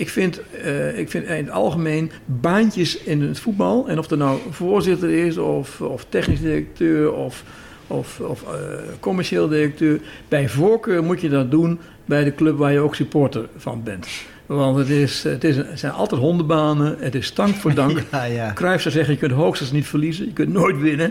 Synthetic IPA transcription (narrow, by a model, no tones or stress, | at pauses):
ɪkfɪntɪkfɪnɪnətɑ̰lˠɣəmeːn | baːntjəsɪnətfut̚bɑlˠɛnɔfdətnawv̥oːrzɪtərɪsɔfɔftɛxnisdirək̚tʰøːrɔf | ɔfɔfkʰɔmɛrʃeːlˠədirək̚tøːrb̥ɛjvokøːrmutjədɔt̚dun | bɛjdəkløpʋaːɹjəoːksypotərfɑ̰nbɛnt | ʋɑntətɪsətɪssɛjnɑ̰lˠtɛtɦondəbaːnəətɪstɑŋkfoːdɑŋkkːrɛjfsɛwzɛɣənjəkøntɦoːxstəsənitfərlizəjəkøntnoːjtʋɪnə